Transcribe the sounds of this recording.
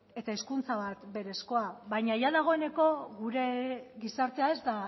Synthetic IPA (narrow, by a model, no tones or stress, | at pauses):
e̞t̪aiskunt͡saβat̪be̞ɾe̞sko̞aβajɲaʝaðaɣ̞o̞e̞ne̞ko̞ɣuɾe̞ɣisaɾt̪e̞ae̞zd̪a